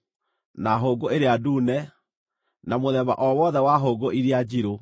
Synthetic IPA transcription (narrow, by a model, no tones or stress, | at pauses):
naɦoːɡoeɾeaduːnɛ | namoðɛβa̰ʔɔwɔðɛwaɦoːɡoʔiɾead͡ʑiɾo